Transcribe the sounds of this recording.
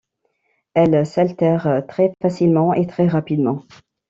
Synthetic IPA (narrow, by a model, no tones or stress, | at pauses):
ɛlsalt̪ɛʁt̪χɛfasilmɑ̃ʔet̪χɛʁapid̪mɑ̃